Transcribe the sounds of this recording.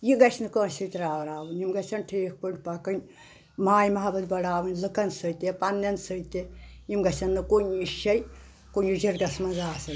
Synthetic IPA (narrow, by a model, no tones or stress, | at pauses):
jiɡɐt͡ʃʰnɨkəːsit̪ɾaːʋɾaːʋɨnʲimɡɐt͡ʃɐnʈʰeːk̚ʰpəɳʲpɐkɨnʲ | maːjmɐɦɐbɐd̪̚bɐɽaːʋɨnʲlɨkɐnsəjt̪epɐnnɐnsəjt̪ejimɡɐt͡ʃɐnːɨkonʲiʃɐj | konʲjud͡ʒɐɾɡɐsmɐzaːsɐn